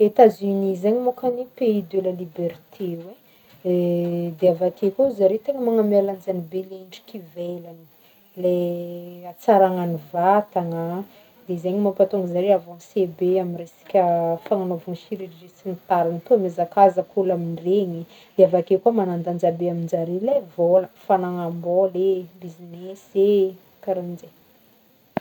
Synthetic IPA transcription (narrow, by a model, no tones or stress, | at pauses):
et̪azynizeɲimokanipeid̪weləlibeɾt̪ʰewe | d̪eavakekozaɾet̪eŋəmaŋamaland͡ʒanibeleiɳɖ͡ʐi̥kʲivelani̥ | le | at͡saɾaŋanivat̪aŋə | d̪ezeɲimapat̪uŋɡəzaɾeavɔ̃nsebeaminresi̥kʲəfaŋanovunʃiɾirʒit͡sinit̪aɾanat̪uamezakazəkʰulaminreɲi | d̪̥eavakekuəmanand̪and͡ʒabeamind͡ʒaɾelevoləfanaŋambɔlebizinese | kaɾand͡ze